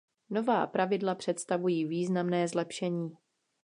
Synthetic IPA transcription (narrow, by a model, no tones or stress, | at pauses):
no̞va̰ːpɾavɪdlapr̝̥ɛt̪st̪avujiːviːznamnɛːzlɛpʃɛɲiː